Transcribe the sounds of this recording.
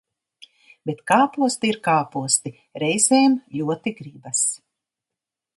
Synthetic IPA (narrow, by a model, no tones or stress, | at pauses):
b̥ʲet̪kaːpuɔst̪iiɾkaːpuɔst̪i | ɾɛjzɛːmʎʲuɔt̪iɡɾibas